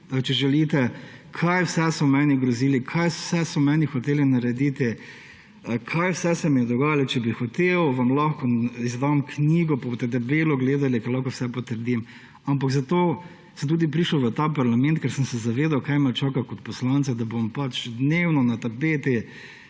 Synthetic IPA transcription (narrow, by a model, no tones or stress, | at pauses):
t͡ʃɛʒɛlit̪ɛkʰajwsɛsɔmɛniɡɾɔziːlikʰajsɛsɔmɛːnixɔt̪eːlinaɾɛd̪it̪i | kʰajwsɛsɛmijɛd̪ɔɡaːjalɔt͡ʃɛbixɔt̪ewʋamlaxkɔizd̪amkniːɡɔpabost̪ɛt̪̬ɛbeːlɔɡleːd̪alikɛɾlaxkɔwsɛpɔt̪əɾd̪im | ampakzɐt̪oː | səmt̪uːd̪ip̬ɾiːʃəwʋət̪aːpaɾlamɛ̃nt̪̚kɛɾsəmsɛzaʋeːd̪awkajmat͡ʃaːkakɔt̪̚pɔslant̪sad̪ɐbompat͡ʃd̪newnɔnat̪apeːt̪i